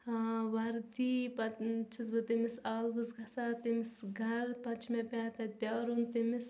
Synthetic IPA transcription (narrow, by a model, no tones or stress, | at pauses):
ʋɐɾt̪ipɐt͡ʃʰizbɨt̪emisaːlbɨzɡʱɐsat̪imisɡʱɐɾpɐt͡ʃʰmepʲaːt̪ɐt̪̚ʲpʲaːɾunt̪imis